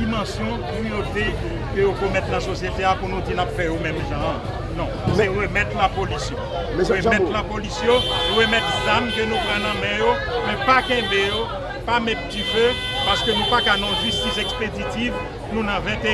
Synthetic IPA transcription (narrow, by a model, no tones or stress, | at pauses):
imɐ̃sjɔ̃ | yot̪e | køjokomɛt̪nɐ̃sosjet̪eapunutinapfɛjomɛ̃mʒã | nɔ̃sɛɣəmɛt̪lapolisjɔ̰̃ | ɛsəmɛt̪lãpolisjõʁəmɛt̪zamkønũpʁãnɐ̃mɛ̃jo | mɛ̃pakɛ̃bejo | pamɛttifø | paʁskønũpakanɔ̃ʒyst̪isɛkspedit̪iv | nũnɐ̃vɛ̃t̪e